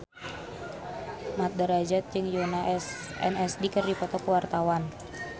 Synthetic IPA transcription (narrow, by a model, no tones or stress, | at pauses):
mat̪̚dəɾad͡ʒat̪̚d͡ʒɨŋjonas | ɛ̰nɛsdikɨrdipɔt̪ɔkəwart̪awan